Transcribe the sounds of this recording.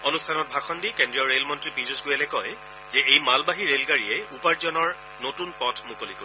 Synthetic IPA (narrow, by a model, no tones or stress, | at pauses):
onustʰanɔt̚bʱakʰɔndikendɹijɔɹelmɔntɹipizusɡojɛlɛkɔj | zɛejmalbaɦiɹelkaɹiɛupaɹzɔnɔɹ | notunpɔtʰmukoliko